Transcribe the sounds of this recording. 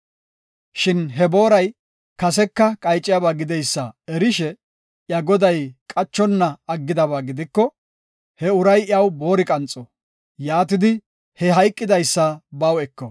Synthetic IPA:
ʃɪnɦɛbo̞ːɾɐj | kɐsɛkːɐkʼɐjt͡ʃʼːɪjabaːɡɪd̪ɛjsːɐɛɾɪʃɛ | ʔjɐɡɔd̪ɐjkʼɐt͡ʃːɔnːɐːɡːɪd̪ɐβaːɡɪd̪ɪkːɔ | hɛʊɾɐjjɐwbo̞ːɾɪkʼɐnt͡sʼːɔ | jaːt̪ɪd̪ɪ | hɛɦɐjkʼːɪd̪ɐjsːɐbɐwɛkːɔ

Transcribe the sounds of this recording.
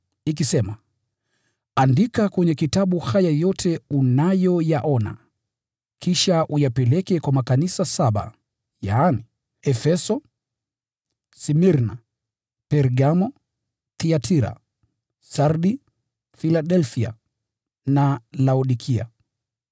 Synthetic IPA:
ik̬isɛma | andikakwɛɲɛkitaɓuhajajɔtʰɛunajɔjaʔɔna̰ | kʰiʃaʔujapɛlɛkɛkwamakanisasaɓa̰ | jaːni | ɛfɛsɔ | simiɾna | pɛɾɡamɔ | θiatʰiɾa̰ | saɾɗi | filaɗɛlfia̰ | nalauɗikʰia̰

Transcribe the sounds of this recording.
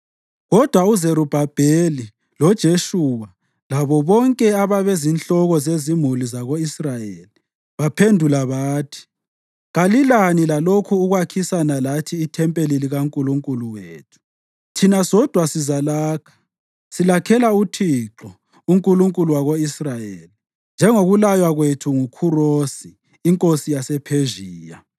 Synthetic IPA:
ɣɔd̥ʱwauzeɾub̥ʱab̥ʱeli | lɔd̥ʒ̥ʱeʃuwa | laβɔβɔŋkʼɛaβaβezinɬɔɣɔzezimulizaɣoisrajeli | βapʰendʱulaβaːtʰi̥ | ɣalilanilalokʰuːɣwakʰisanalatʰiːtʰɛmpʼeliliɣaŋkʼuluŋkʼuluweːtʰu̥ | tʰinasɔd̥ʱwasizalaːkʰḁ | silakʰɛlautʰiǁɔ | uŋkʼuluŋkʼuluwaɣoisrajeli | nd͡ʒʱɛŋoɣulajwaɣwetʰuŋukʰuroːsiː | ŋkʼosijasɛpʰeʒiːja̰

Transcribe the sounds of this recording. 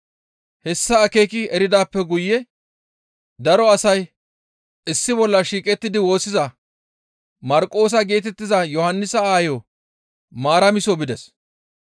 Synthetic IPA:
hɛsːɐːke̞jkɪɛɾɪd̪aːpːɛɡʊjːɛ | d̪ɐɾɔɐsɐj | ɪsːɪbɔlːɐʃiːkʼɛt̪ːɪd̪ɪwo̞ːsːɪzɐ | mɐɾkʼo̞ːs̬ɐɡe̞ːt̪ɛt̪ːɪzɐjɔhɐnːɪsɐaːjo | maːɾɐmɪsɔbɪd̪ɛs

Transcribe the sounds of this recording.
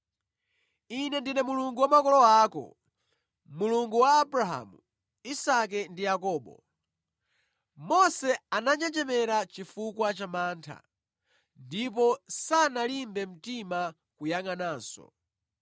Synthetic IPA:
inɛndinɛmuluŋɡuwamakɔlɔaːkɔ̰ | muluŋɡuwaːbɾaɦa̰ːmu | isak̬ɛndijakɔːɓɔ̰ | mɔsɛanaɲd͡ʒɛd͡ʒɛmɛɾat͡ʃifukwat͡ʃamaːntʰa̰ | ndip̬ɔsanalimbɛm̩tima | kujaŋanaːsɔ̰

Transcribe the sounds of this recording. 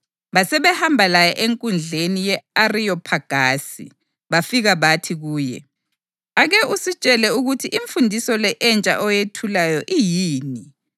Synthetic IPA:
βasɛβɛhambʱalajɛʔeŋkʼund͡ɮʱenijɛarijɔpʰaɡ̥ʱaːsḭ | βafiɣaβatʰiɣuːjɛ̰ | aɣɛʔusit͡ʃʼɛlɛuɣutʰiʔiɱfundʱisɔlɛʔɛnt͡ʃʼa̰ʔɔjetʰulajɔʔijiːni

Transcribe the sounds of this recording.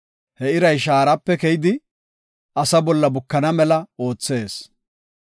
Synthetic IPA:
hɛɪɾɐjʃ̬aːɾɐpːɛkɛjɪd̪ɪ | ɐsɐbɔlːɐbʊkːɐnɐmɛlɐo̞ːt͡sːe̞ːs

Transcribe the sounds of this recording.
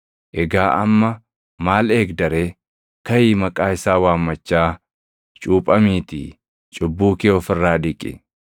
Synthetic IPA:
ʔɛɡaːʔɐmːɐ | maːle̞ːɡd̪ɐɾeː | kɐjiːmɐkʼaːɪsaːwaːmːɐt͡ʃːaː | t͡ʃʼuːpʼɐmiːt̪ɪ̰ | t͡ʃʼʊbːuːkeːɔfɪrːaːd̪ɪkʼːɪ̰

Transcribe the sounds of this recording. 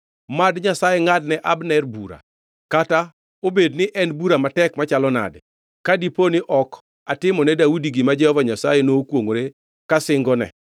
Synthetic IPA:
madɲasajeŋad̚nɛʔabnɛrbuɾa̰ | kata | obednɪʔɛnbuɾamatɛkmat͡ʃalɔna̰dɛ | kadiponɪʔɔk | atɪmɔnɛdaudiɡɪmad͡ʒɛhɔvaɲasajenokwoŋoɾe | kasɪŋɡɔnɛ̰

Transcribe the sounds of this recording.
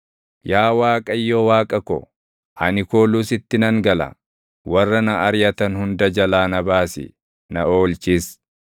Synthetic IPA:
jaːwaːkʼɐjːoːwaːkʼɐkɔ̰ | ʔɐnɪkoːluːsɪt̪ːɪnɐŋɡɐlɐ̰ | wɐrːɐnɐɐɾjɐt̪ɐnhʊnd̪ɐd͡ʒɐlaːnɐbaːsɪ̰ | nɐoːlt͡ʃiːs

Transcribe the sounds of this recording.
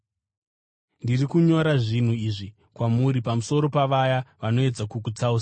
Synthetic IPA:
ndirikuɲo̞ɾaʐin̤uiʐi | kwamuɾipamuso̞ɾo̞paʋajaʋano̞e̞d͡zakukut͡sauːsa

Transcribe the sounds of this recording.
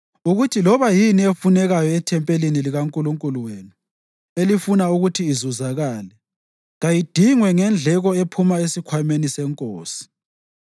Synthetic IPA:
uɣutʰilɔβajiniefunɛɣajɔɛtʰɛmpʼeliniliɣaŋkʼuluŋkʼuluweːnu | elifunauɣutʰiːzuzaɣaːlɛ | ɣajid̥ʱiŋwɛŋɛnd͡ɮʱɛɣɔepʰumaesikʰwajumenisɛŋkʼoːsi̥

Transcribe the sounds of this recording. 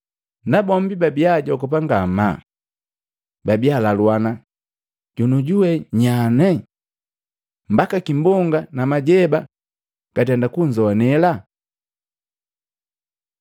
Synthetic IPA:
nabɔm̩bibabiaɟɔkɔp̬aŋɡama̰ | babialalwana | ɟ̥unuɟuwɛɲanɛ | mbakakimbɔŋɡanamaɟɛba | ɡ̥atɛndakuɲd͡ʒɔnɛla

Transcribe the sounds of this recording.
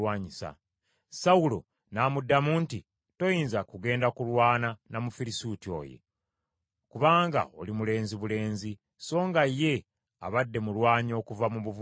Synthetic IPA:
waːɲisa̰ | saulo̞̰ | naːmudːamuːnti | to̞jiːnzakuɡe̞ːndakulwaːnanamufiɾisutio̞̰ːje̞̰ | kuβaːŋɡa̰olimule̞ːnziβule̞ːnzi | so̞ːŋɡaje̞ | a̰βadːe̞mulwaːɲo̞ːkuvamuβuv

